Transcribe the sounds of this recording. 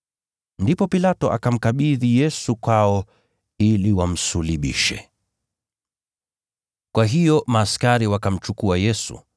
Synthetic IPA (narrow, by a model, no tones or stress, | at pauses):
ndipɔpilatɔʔa̰kam̩kaɓiðijɛsukwaɔ | iliwam̩suliɓḭʃɛ̰ | kwaɦijɔmaːskaɾiwakam̩t͡ʃukuajɛsṵ